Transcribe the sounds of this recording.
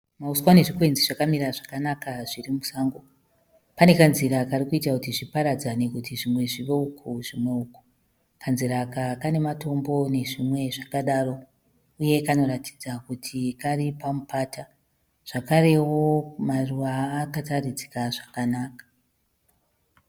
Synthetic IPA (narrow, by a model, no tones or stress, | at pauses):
mauswane̞ʐikwe̞nziʐakamiɾaʐakanakaʐirimusaːŋɡo | pane̞kanziɾakarikuitakutiʐipaɾad͡zane̞kutiʐimwe̞ʐiʋeukʰuʐimwe̞uko̥ | kʰanziɾakakane̞mato̞mbo̞ne̞ʐimwe̞ʐakaɗaro̞ | uje̞kano̞ɾati̥d͡zakutʰikaripamupaːta | ʐ̥akaɾe̞wo̞maruʋaːkatarid͡zi̥kaʐ̥akanaːkḁ